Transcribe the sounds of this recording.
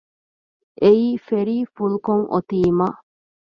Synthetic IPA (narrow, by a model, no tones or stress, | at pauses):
ʔeiːfeɾiːfulukoŋʔo̰t̪iːma